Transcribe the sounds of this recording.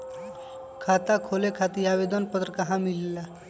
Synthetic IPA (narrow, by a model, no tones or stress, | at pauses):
kʰat̪akʰolekʰat̪iabed̪ənpət̪ɾəkaɦãmilela